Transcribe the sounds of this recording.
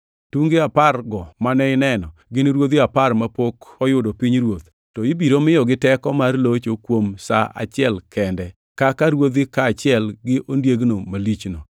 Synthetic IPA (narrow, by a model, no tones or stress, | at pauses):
tuŋɡeaparɡɔmanɛɪnɛnɔɡɪnɾwod̪iaparmapokɔjʊdɔpiɲɾwot̪ | tɔɪbiɾomɪjɔɡɪtɛkɔmarlot͡ʃokwomsa̰ʔa̰t͡ʃɪɛlkʰɛndɛ | kakaɾwod̪ikaːt͡ʃɪɛlɡɪʔondjeɡnomalit͡ʃno